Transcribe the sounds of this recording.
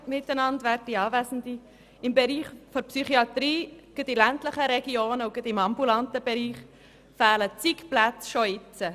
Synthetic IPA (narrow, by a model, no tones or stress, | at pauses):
mɪt̪ːənɑndʋæːɾddiɑːvæsn̩d̪i | ɪmbɛɾiːχfɔɾpsyχiɑt̪ɾiːɡ̥əd̪ilæntləχəɾɛɡioːnəuɡ̥əd̪ɪmɑmbulɑnt̪əb̥ɛɾiːχ | fæːlət͡sikplæt͡sʃɔɪt͡sə